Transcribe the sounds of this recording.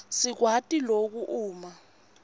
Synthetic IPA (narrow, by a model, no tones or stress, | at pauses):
sik̬watʼilok̬uʔuːma